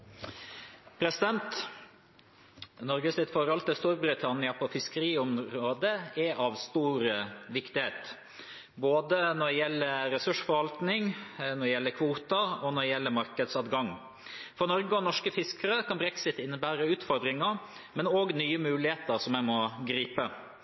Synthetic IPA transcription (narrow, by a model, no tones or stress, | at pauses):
pʰɾɛsɪd̪ɛnt̪ | nɔɾɡəsɪt̪fɔɾɑlt̪ɪlst̪uːɾbɾɪt̪ʰɑnɪɑpʰɔfɪskəɾiːɔmɾoːd̪əɛʔɑʋst̪uːɾəʋɪkt̪ɪheːt̪ | boːd̪ənɔɖ̪ɛjɛlːəɾɛsʉʂfɔɾʋɑlt̪nɪŋnɔdɛjɛlːəkʰʋuːt̪ɑɔnɔɖ̪ɛjɛlːəmɑɾkəd̪sɑːʋ̪ɡɑŋ | fɔɾnɔɾɡəɔnɔʂkəfɪskəɾəkʰɑnbɾɛksɪt̪ɪnːəbæːɾəʉːt̪fɔɾd̪ɾɪŋə | mɛnoːɡnyːəmʉːlɪheːt̪əɾsɔmæɪmɔɡɾiːpə